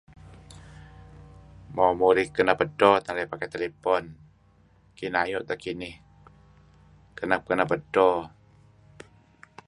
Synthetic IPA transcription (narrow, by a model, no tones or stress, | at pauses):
mɔmuɾihkənabədɔt̪aɾɛpakɛt̪elepɔn | kinajɔʔt̪akinɪh | kənap̚kənabədɔ